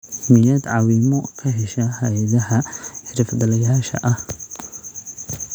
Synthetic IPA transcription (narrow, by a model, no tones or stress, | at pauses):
mɪjad̪ʕɑwimɔkʰɐɦɛʃɐhɐjɐðɐɦɐħɪɾɪfd̪ɐlɐjaːʃɐ̰ʔɐh